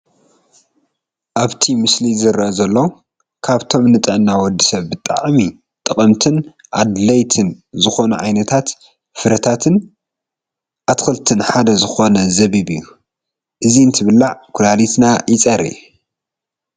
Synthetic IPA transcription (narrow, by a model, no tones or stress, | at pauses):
ʔaβt̪ʰimɨslizɨɾɐʔzɐlːo | kʰaβt̪ʰo̞mnɨt̪ʼɐʔnːawɔd̪ːisɐβːɨt̪ʼa̰ʕmi | t̪ʼɨkʼɐmt̪ʰɨn | ʔa̰d̪lɐjt̪ʰɨnzɨxo̞nuʕajnɐt̪ʰat̪ | fɨɾɐt̪ʰat̪ʰɨn | ʔat̪xɨlt̪ʰɨnħad̪ɐzɨxo̞nɐzɐβiβɨjːu | ʔɨziɨnt̪ʰɨβɨlːaʕkʰʊlalit̪najɪt͡sʼɐɾḭ